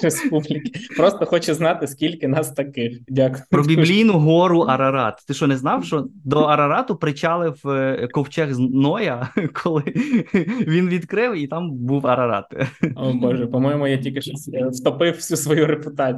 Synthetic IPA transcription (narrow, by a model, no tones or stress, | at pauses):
ɾespublʲikʲɪ̥pɾɔst̪ɔxɔt͡ʃɪznɑt̪ɪskʲilʲkɪnɑst̪ɐkɪxdʲakʊ̥jpɾɔbʲiblʲijnʊɦɔɾʊʔɐɾɐɾɑt̪t̪ɪʃt͡ʃɔnɛznɑwʃt͡ʃɔd̪ɔɐɾɐɾɑt̪ʊpɾɪt͡ʃɑlˠɪwkɔwt͡ʃɛɣznɔjɐkʰɔlˠɪ | ʋʲinʋʲid̪kɾɪwit̪ɑmbuwɐɾɐɾɑ̰t̪ɔbɔʒɛpɔmɔjɪmʊjatʲilʲkʲɪʃɔsft̪ɔpɪwwsʲusʋɔjuɾepʊt̪ɑ